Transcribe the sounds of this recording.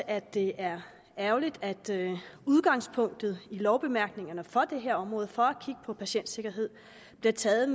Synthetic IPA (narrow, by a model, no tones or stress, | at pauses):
æd̥ːe̝ʔæɐ | æʊlid̥æd̥uð̞ˠɡ̥ɑ̈ŋ̰spʰɔ̽ŋ̰d̥ð̞̩ˠilɒʊb̥e̝mæɐ̰ɡ̥ne̝ŋɐnəfɒ̽d̥e̝ɦe̝ɐɒ̽mʁɔ̽ːð̩ˠfɒ̽ækʰiɡ̥əpʰɒ̽pʰæɕen̰d̥se̝ɡ̥ɐɦe̝ð̰ˠ | b̥liɐt͡sʰɛːð̩ˠm